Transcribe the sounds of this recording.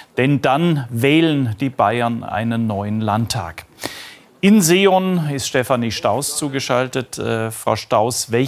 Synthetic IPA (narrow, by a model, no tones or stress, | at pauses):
d̥ɛndanvɛːlənd̥iːbaɪɐnʔa̰ɪnənːɔʏənlantʰːa̰ːk | ʔɪnzeɔnɪstʃtɛfaniʃtaʊst͡suːɡəʃaltətːfʁ̥a̰ʊʃtaʊsvɛl